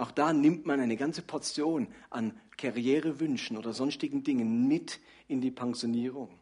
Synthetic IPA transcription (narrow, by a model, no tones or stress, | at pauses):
ʔaʊxd̥aːnɪmtmanʔaɪnəɡant͡sə̥pʰɔɐt͡sjoːnʔankʰaʁjɛːʁəvʏnʃn̩ʔoːdɐzɔnstɪɡŋ̩dɪŋənmɪt | ɪndiːpʰaŋzjoniːʁ̞ʊŋ